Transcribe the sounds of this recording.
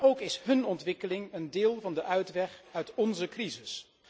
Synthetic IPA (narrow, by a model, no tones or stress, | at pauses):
owkɪsɦɵnɔntʋɪkəlɪŋəndɪːlˠvɑndəʔœɥtʋɛχœɥtɔnzəkrizɪs